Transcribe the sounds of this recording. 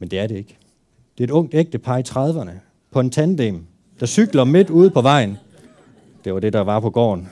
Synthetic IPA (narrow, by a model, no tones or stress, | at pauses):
mend̥e̝æɐɾe̝e̝ɡ̥ | d̥e̝e̝d̥ɔ̽ŋ̰d̥eɡ̥̚d̥əpʰɑ̈ːit͡sʰʁɑð̞ˠʋɐnə | pʰɒ̽e̝nt͡sʰænd̥eːm | d̥ɑ̈syɡ̥lɐme̝d̥uːð̞̩ˠpʰɒ̽ʋɑ̈ɪ̰n | d̥e̝ʋɑ̈d̥e̝d̥ɑ̈ʋɑ̈pʰɒ̽ɡ̥ɒ̰ːn